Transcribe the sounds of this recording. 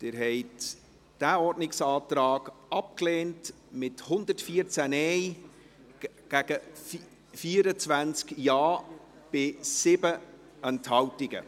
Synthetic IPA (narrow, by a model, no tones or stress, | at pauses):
tɪːɾɦɛɪt | d̥æɔɾdnɪksɑːtɾɑːɡ̥ɑp̚kleːnt | mɪthʊnd̪ətfiəɾt͡sænɛɪ | ɡ̥æɡ̥ə | fiːəɾət͡svænt͡skjɑː | b̥ɪsɪbə | ɛnthɑwtɪɡə̰